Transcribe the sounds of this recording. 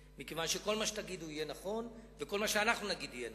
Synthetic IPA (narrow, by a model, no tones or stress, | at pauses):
mikevanʃeko̞lmaʃet̪aɡid̪uijenaχo̞nveko̞lmaʃeanaχnunaɡid̪ijen